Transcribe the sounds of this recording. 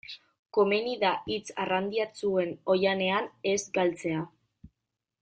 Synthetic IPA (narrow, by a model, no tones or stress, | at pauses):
ko̞meniðaʔit͡sarand̪iat͡sue̞no̞jane̞ane̞zɡalt͡se̞a